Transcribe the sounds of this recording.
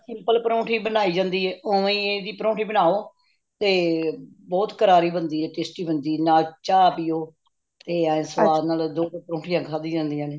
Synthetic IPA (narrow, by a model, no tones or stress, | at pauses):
sɪ̃mpəlpəɾõːʈʰiːbənaːiːd͡ʒãːnd̪iːɛːoĩːeːd̪iːpəɾõːʈʰiːbənaːoː | t̪eː | bɔːt̪kəɾaːɾiːbənd̪iːɛːʈeːsʈiːbənd̪iːnaːt͡ʃaːpiːoː | t̪eːãsəʋaːnaːld̪oːt̪oːpɾõːʈʰijãːkʰaːd̪iːd͡ʒãːnd̪ijãːneː